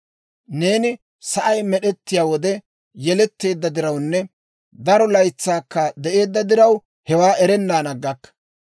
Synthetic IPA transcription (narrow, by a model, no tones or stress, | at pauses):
ne̞ːnɪ | sɐʔɐjmɛɗɛt̪ːɪjaːwɔd̪ɛ | jɛlɛt̪ːe̞ːd̪ːɐd̪ɪɾɐwnːɛ | d̪ɐɾɔlɐjt͡sːaːkːɐd̪ɛʔe̞ːd̪ːɐd̪ɪɾɐw | hɛwaːʔɛɾɛnːaːnɐɡːɐkːɐ̥